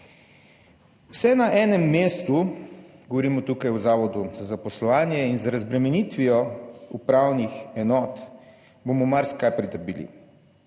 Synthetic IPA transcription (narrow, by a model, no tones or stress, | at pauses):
usɛnaʔɛːnɛmːeːst̪uɡɔʋɔɾimɔt̪uːkajuzaːʋɔd̪uzazapɔslɔʋaːnjɛinzaɾazbɾɛmɛnit̪ʋiɔupɾaːwnixɛnɔːt̪ | bomɔmaɾskajpɾit̪əɾbiːlḭ